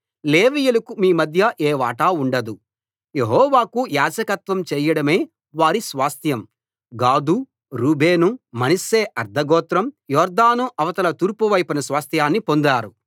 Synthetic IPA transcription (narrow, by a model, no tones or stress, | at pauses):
leːʋijulɐkumiːmɐd̪ʱjɐʔeːʋa̰ːʈauɳɖɐd̪u | jeɦɔːʋaːkujaːd͡ʒɐkɐt̪ʋɐmt͡ʃɛːjɐɽɐme̞ː | ʋaːɾisʋaːst̪ʰjɐm | ɡaːd̪u | ɾuːbʱeːnumɐnɐseːʔɐɾd̪ʱɐɡɔːt̪ɾɐmjɔːɾd̪aːnuʔɐʋɐt̪ɐlɐt̪uːɾpuʋɐjpɐnɐsʋaːst̪ʰjaːnːipo̞nd̪aːɾu